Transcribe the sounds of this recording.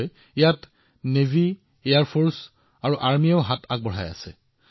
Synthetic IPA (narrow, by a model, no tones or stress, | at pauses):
ijat | nevi | ejaɹpʰoɹs | aɹuʔaɹmijaʊɦatʰa̰k̚bɔɦa̰ja̰sɛ̰